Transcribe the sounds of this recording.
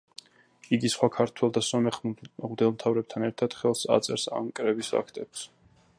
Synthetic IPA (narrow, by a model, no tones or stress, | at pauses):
iɡisχwakʰaɾt̪ʰwɛlˠd̪asɔmɛχmd̪ɛlˠmt̪ʰavɾɛb̚t̪ʰanɛɾt̪ʰad̪̥χɛlˠsa̰t̪sʼɛɾsa̰mkʼɾɛbisa̰kʰt̪ʼɛps